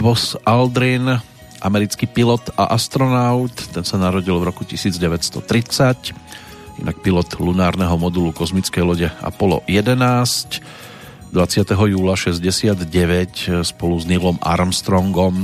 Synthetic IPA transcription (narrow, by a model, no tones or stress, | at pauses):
ʋɔsald̪ɾin | ʔamɛɾit͡skipilɔt̪a̰ʔast̪ɾɔnaʊt̪ːɛnsanaɾɔɟilʋɾɔkucisiːd͡zɟɛʋɛcst̪ɔt̪ɾit͡sac | jɛnak̚pilɔt̪lunaːɾnɛɦɔmɔd̪ulukɔzmit͡skɛjlɔɟɛa̰pɔlɔ̰jɛd̪ɛnaːsc | d̪ʋat͡sɪat̪ɛɦɔjuːlaʃɛzɟɛsɪad̪ɟɛʋɛcspɔluznilɔma̰ɾmst̪ɾɔŋɡɔm